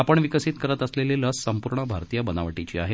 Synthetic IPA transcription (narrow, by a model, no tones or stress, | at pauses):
apəɳʋikəsit̪kəɾət̪əsleleləsːəmpuɾɳəbʱaɾt̪ijəbənaʋəʈit͡ɕḭːa̰ɦe